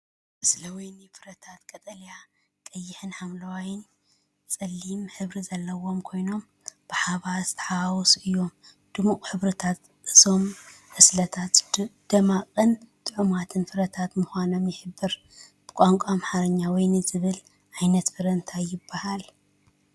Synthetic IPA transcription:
ʔɨslɐwujnifɨɾɐt̪ʰat̪kʼɐt̪ʼɐlja | kʼɐjːɪħɨnħamlɐwajɪn | t͡sʼɐlːimħɨβɾizɐlːɐwo̞mkʰo̞jno̞m | b̥ɨħaβazɨt̪ʰɐħawawɔsʔɨjːo̞m | d̪̥ɨmukʼħɨβɾɨt̪ʰat̪ | ʔɨzo̞mʕɨslɐt̪ʰat̪d̪̥ɐmaqʼɨnt̪ʼɨʕumat̪ʰɨnfɨɾɐt̪ʰat̪muxʷano̞mjɪħɨbːɨɾ | b̥ɨkʷʼaŋkʷʼamaħaɾɐɲːawɔjnɨzɨβɨl | ʕajnɐt̪fɨɾɐnt̪ʰajːɪbːahal

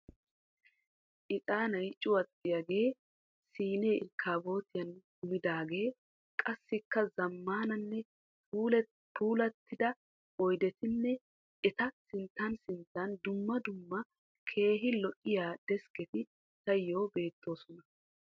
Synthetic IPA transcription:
ʔɪt̪ʼaːnɐjt͡ʃʼːʊwɐt͡sʼːɪjaɡe̞ː | siːne̞ːɪ̰ɾkʰːaːbo̞ːt̪ɪjɐnɡʊmɪd̪aːɡe̞ː | kʼɐsːɪkːɐzɐmːaːnɐnːɛ | uːl | puːlɐt̪ːɪd̪ɐ | ɔjd̪ɛt̪ɪnːɛ | ɛt̪ɐsɪnt̪ːɐnsɪnt̪ːɐnd̪ʊmːɐd̪ʊmːɐ | kʰe̞ːɦɪlɔʔɪjaːd̪̥ɛskɛt̪ɪ | t̪ɐjːo̞ːbe̞ːt̪ʰːo̞ːsɔnɐ

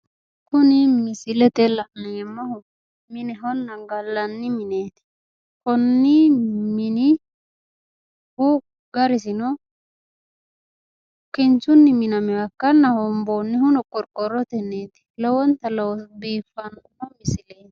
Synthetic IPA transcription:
kʊnɪmɪsɪlɛt̪ɛlɐʔnɛjɛmːɐhɔ | mɪnɛɦɔnːɐŋɡɐlːɐnːɪmɪneːt̪ɪ̥ | hɔnːɪmɪnɪ | hʊ | ɡɐɾɪsɪnɔ | kːɪnt͡ʃʊnːɪmɪnɐmɛwɐkːɐnːɐhɔmboːnːɪhʊnɔkʼɔɾkʼːɔɾɔt̪ɛnːeːt̪ɪ̥lɔwɔnt̪ɐlɔwɔsbiːfːɐnkʊnɔmɪsɪleːt̪ɪ̥

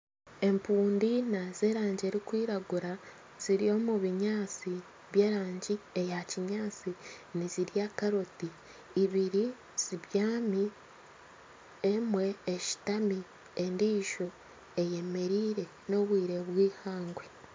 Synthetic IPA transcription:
e̞mpuːndinaz̥e̞ːɾaːɲɟe̞ːɾikwiːɾaɡuɾa | z̥iɾijo̞ːmuβiɲaːt͡si | βje̞ːɾaːɲɟiejaciɲaːt͡siniziɾijakaɾotiː | βiɾi | z̥iβjaːmi | emwe̞ːʃi̥tami | endiːʃo̞ | e̞je̞me̞ɾiːɾe̞ | no̞βwiːɾe̞βwiːhaːŋɡwe

